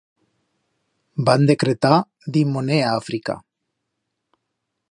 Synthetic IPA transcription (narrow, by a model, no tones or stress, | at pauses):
band̪ekɾet̪a | ðimoneaːfɾika̰